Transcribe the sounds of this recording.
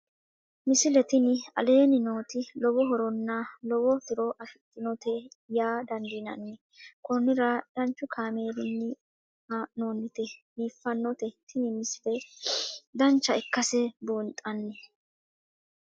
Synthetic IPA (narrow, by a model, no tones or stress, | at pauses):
mɪsɪlɛt̪ɪnɪɐ̰le̞ːnɪno̞ːt̪ɪlɔbɔɦɔɾɔnːalɔwɔt̪ɪɾɔʔɐʃɪt̪ːɪnɔt̪ɛjaːd̪ɐnd̪ɪnɐ̰nːɛ | kɔnɪɾɐd̪̥ɐnt͡ʃːʊkʰaːme̞ːd̪ɪnːɪ | noːnːɪt̪ɛbiːfːɐnːɔt̪ɛt̪ʰɪnɪmɪsɪlɛ | d̪ɐnt͡ʃːɐɪkːɐsɛbuːnt̪ʼɐnːɛ